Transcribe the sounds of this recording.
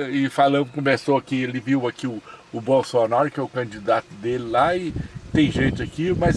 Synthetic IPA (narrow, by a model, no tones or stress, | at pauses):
ɪfalɐ̃nd̪ʊkõmesoakielɪviwɐkiʊʊbosoanaɾʊkɪɛʊkɐ̃d͡ʒid̪at̪ʊd̪elɪlaɪt̪ẽj̃ʒẽjt͡ʃ̪ʊakimɐz